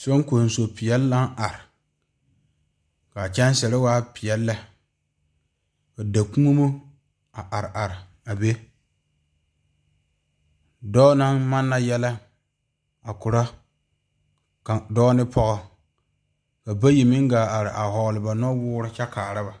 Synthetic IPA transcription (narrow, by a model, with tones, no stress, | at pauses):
so˦ŋ˦ko˨n˨so˨pɪ˨jɛ˦lːa˦n˦ʔa˨ɾɪ˨ | ka˨t͡ʃɛ˦n˦sɛ˨ɾɪ˦waː˦pɪ˨jɛ˦lːa˦ | ka˨da˨ku˦o˦mo˦ | a˨ʔa˨ɾɪ˨ʔa˨ɾɪ˨ | a˨be˦ | dɔː˦na˦nma˦nːa˦jɛ˦la˦ | a˨kʊ˨ɾa˦ | ka˨dɔ˦nɪ˦pʰɔ˦ɣɔ˦ | ka˨ba˦ji˨mɪ˦ŋɡaː˨ʔa˨ɾɪ˨ʔa˨hɔ˨ɡlɪ˨ba˨nɔ˦wʊː˦ɾɪ˦t͡ʃɛ˦kaː˨ɾa˦ba˨